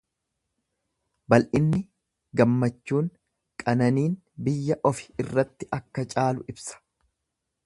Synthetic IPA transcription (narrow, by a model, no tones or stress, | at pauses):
bɐlʔɪnːɪ | ɡɐmːɐt͡ʃːuːŋ | kʼɐnɐniːn | bɪjːɐʔɔfɪ̥ɪrːɐt̪ːɪʔɐkːɐt͡ʃʼaːlʊʔɪbsɐ̥